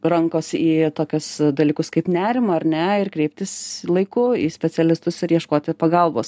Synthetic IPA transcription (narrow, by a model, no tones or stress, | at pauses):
rɐŋkoːsiːt̪oːkʲʊsd̪ɐlʲiːkʊskɐɪpnʲæːɾʲɪmɐɐɾʲnʲɛɪrkɾʲɛɪp̚ʲt̪ʲɪslˠɐɪkʊḭːsʲpʲɛt͡s̪ʲɛlʲɪst̪ʊsɪɾjiɛʃkoːt̪ʲɪpɐɡɐlˠboːs